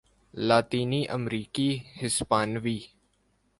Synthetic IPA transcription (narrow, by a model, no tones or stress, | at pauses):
laːt̪iːniːʔəmɾiːkiːhɪspaːnʋiː